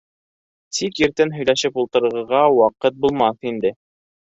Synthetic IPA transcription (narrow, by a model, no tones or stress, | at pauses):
t̪ikjɘ̆ɾt̪ɘnɦɵ̆jlæʃɘpulˠt̪ɤ̆ɾɤ̆ɾʁɤ̆ɾʁɑwɑqɤt̪̚bulˠmɑθind̪ɘ